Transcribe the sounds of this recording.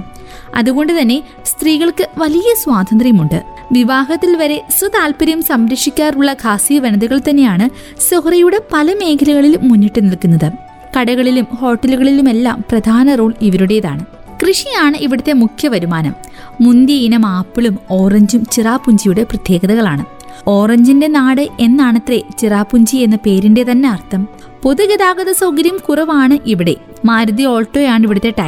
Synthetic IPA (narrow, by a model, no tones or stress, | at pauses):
ɐ̰ðuɣo̞ɳɖɨt̪ɐnːe̞ | st̪riːɣɐɭkɨʋɐlijɐswaːd̪ʱɐnd̪rijɐmuɳɖɨ | ʋiʋaːɦɐt̪ːilʋɐɾe̞swɐt̪aːlpɐɾɐjmsɐmɾɐkʂikʲːaːruɭːɐkʰaːsijɐʋɐnɐðuɣɐɭt̪ɐnːe̞jaːɳɨ | sohrɐjuɽe̞pɐlɐme̞ːkʰɐlɐɣɐɭilːunːiʈːɨnilkːunːɐðɨ | kɐɽɐɣɐɭilumho̞ːʈːɐluɣɐɭilume̞lːa̰ːmprɐd̪ʱaːnɐroːɭiʋɐɾuɽe̞jɐða̰ːɳɨ | krɨʂijaːɳɨʔiʋiɽɐt̪ːe̞mukʰjɐʋɐɾumaːnɐmː | und̪jɐinɐmaːpːiɭumo̞ːrɐɲd͡ʑumt͡ɕiraːpːuɲd͡ʑijuɽe̞prɐt̪je̞ːɡɐðɐɣɐɭaːɳɨ | o̞ːrɐɲd͡ʑinde̞naːɽɨe̞nːaːɳɐt̪ːret͡ɕiraːpːuɲd͡ʑie̞nːɐpe̞ːɾinde̞t̪ɐnːe̞ɐrt̪ʰɐm | po̞ðuɡɐðaːɡɐðɐsɐwɡɐɾɐjɐmkurɐʋaːɳɨʔiʋiɽe̞̰ | maːɾud̪io̞ːɭʈːo̞ːjaːɳiʋiɽɐt̪ːe̞ʈːaː